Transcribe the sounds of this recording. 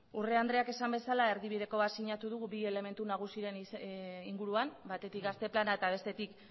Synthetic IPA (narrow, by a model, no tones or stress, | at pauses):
ure̞and̪ɾe̞ake̞sambe̞salae̞ɾðiβið̞e̞ko̞βat̪siɲat̪uðuɣuβie̞le̞me̞nt̪unaɣ̞usiɾe̞niŋɡuɾuambat̪e̞t̪ikɡast̪e̞planae̞t̪aβ̞e̞st̪e̞t̪ik